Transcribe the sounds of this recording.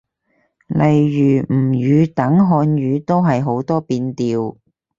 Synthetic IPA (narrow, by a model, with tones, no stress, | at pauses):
lʔɐ˨jːyː˨˩m̩˨˩jyː˨˧t̪ɐ˨˥ŋɦɔː˧njyː˨˧t̪o˥wɦɐ˨jɦo˨˥wt̪ɔː˥piː˧nt̪iː˧w